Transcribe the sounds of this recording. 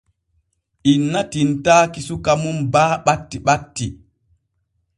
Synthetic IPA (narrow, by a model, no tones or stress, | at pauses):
ʔinːatintaːkisukamunbaːɓatːiɓatːi